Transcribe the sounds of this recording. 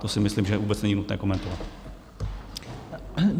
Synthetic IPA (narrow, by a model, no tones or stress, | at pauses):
t̪osɪmɪslimʒɛvuːbɛt͡snɛɲinut̪nɛ̰ːko̞mɛnt̪ovat̪